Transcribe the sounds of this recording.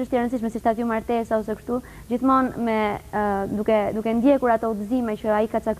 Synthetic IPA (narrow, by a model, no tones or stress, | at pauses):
əʃt̪ɛɾənsiʃmɛsiʃt̪at̪jumaɾt̪ɛsaɔs̬ɛkʃt̪u | d͡ʑiθmɔnmɛ | d̪ukɛd̪ukɛnd̪jɛkuɾat̪ɔud̪əzimɛt͡ɕəaikat̪t͡sak